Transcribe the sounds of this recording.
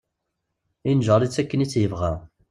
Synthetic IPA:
inʒʁəlit͡sːækːənit͡sːjəvʁæ

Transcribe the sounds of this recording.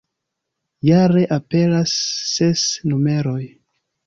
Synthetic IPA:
jaɾe̞ʔape̞lasːe̞snume̞ɾo̞j

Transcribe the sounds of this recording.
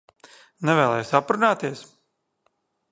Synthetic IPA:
nɛvɛːlˠɛjsapɾunaːt̪iɛs

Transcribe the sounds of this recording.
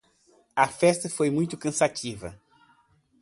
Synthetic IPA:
ɐfɛst̪ɐfojmũj̃t̪ʊkɐ̃sat͡ʃivɐ̰

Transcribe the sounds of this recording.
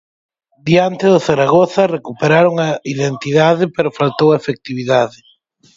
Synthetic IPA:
d̪iant̪ɪðʊθaɾaɣoθɐrekupeɾaɾoŋɐiðent̪iðaðɪpeɾʊfalt̪owɐefek̚t̪iβiðaðɪ

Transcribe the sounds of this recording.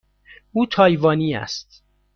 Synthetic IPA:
ʔuːt̪ʰɒːjvɒːniːæ̰st̪

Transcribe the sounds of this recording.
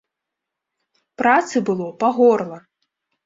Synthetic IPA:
pɾat̪sɨbɨlˠɔpaɣɔrlˠɐ

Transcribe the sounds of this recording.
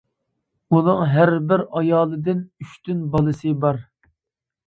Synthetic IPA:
unɨŋɦæɾbɪɾɑjɑːlˠɨd̪ɪnyʃt̪ynbɑlˠɨsɨbɑɾ

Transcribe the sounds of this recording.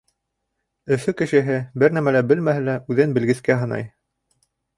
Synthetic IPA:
ɵ̆fɵkɘ̆ʃɘ̆ɦɘbɘɾnæmælæbɘlmæɦɘ̆læʔʉðɘnbɘ̆lɡɘ̆skæɦɤ̆nɑ̰j

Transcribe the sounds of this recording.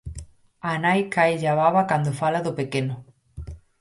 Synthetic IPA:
anajkajʎaβaβakand̪ʊfalaðʊpekenʊ

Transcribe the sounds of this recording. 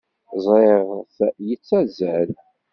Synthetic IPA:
zˤɾeʁθjət͡sːæzæl

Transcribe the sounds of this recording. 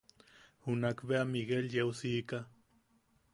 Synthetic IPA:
hunakbeamiɡeljewsiːka

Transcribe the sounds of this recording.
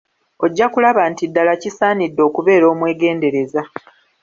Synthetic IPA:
o̞ɟːakulaβantidːalacisaːnidːo̞ːkuβe̞ːɾo̞ːmwe̞ːɡe̞ːnde̞ɾe̞za

